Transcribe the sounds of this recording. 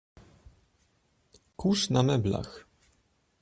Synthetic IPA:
kuʂnamɛbla̰x

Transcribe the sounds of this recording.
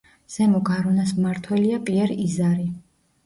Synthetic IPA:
z̥ɛmɔɡaɾɔnasmmaɾt̪ʰwɛliapʼiɛɾizaɾi

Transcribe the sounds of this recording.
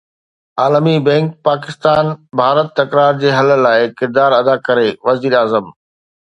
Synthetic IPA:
aːləmibɛ̃ːŋk̚paːkɪst̪aːnbʱaːɾət̪ːɐkɾaːɾd͡ʑeːɦɐl̆laːɪkɪɾd̪aːɾɐd̪akɐɾeʋɐziːɾaːzəm

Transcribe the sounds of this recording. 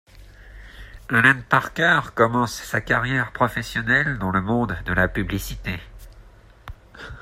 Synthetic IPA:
alɛ̃npaʁkaʁkɔmɑ̃sːakaʁjɛʁpχɔfɛsjɔnɛld̪ɑ̃ləmɔ̃d̪ːəlapyblisit̪e

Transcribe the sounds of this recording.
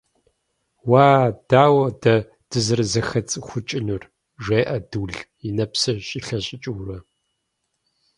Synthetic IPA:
waːd̥aːwɐdɐ | d̥ɨzɨrzɐxɐt͡sʼxʷʊt͡ʃʼɪnur | ʒeːʔɐdɨɮ | inɐpsɐɕʼiɬɐɕʼɪt͡ʃʼɪwɾɐ

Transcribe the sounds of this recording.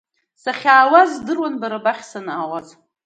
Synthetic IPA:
saχʲaːwazdɨrwanbaɾabaχʲsanawaz

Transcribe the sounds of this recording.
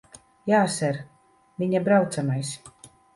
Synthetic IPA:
jaːsɛɾ | viɲabɾawt̪samajs

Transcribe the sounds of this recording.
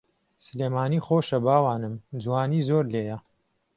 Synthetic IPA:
sɨleːmaːniːxoʃɐbaːwaːnɨmd͡zwaːniːzoɾleːjɐ

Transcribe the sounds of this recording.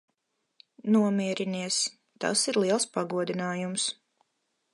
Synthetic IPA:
nuɔmʲiɛɾiniɛs | t̪a̰siɾlˠiɛlˠspaɡuɔd̪inaːjums

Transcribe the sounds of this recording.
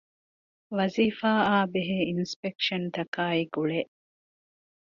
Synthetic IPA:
ʋɐziːfaːaːbeɦeːinspekʃɐnt̪ɐkaːiɡuɭeʔ

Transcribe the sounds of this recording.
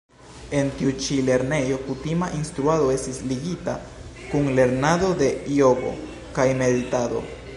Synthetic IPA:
e̞ntiut͡ʃile̞ɾne̞jo̞kutimaʔinstɾuado̞e̞stisliɡita | kunle̞ɾnado̞de̞io̞ɡo̞̰ | kajme̞ditado̞̰

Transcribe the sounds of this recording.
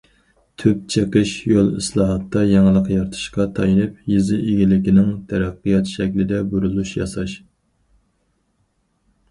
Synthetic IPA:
t̪ʰyp̚t͡ʃʰeqəʃjolˠḭslˠɑːɦɑt̪ːɑjɑŋəlˠəqjɑɾt̪ʰɨ̥ʃqɑt̪ʰɑjinɨpjizɪʔeɡʲilɪkʲinɪŋt̪ʰɛɾæqːɨjɑt̪ʃɛkʲlɪd̪ɛbuɾulˠuʃjɑ̰sɑʃ

